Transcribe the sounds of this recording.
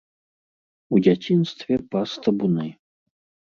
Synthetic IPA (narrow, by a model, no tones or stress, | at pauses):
ud͡zʲat͡sʲinst̪vʲɛpast̪ɐbunɨ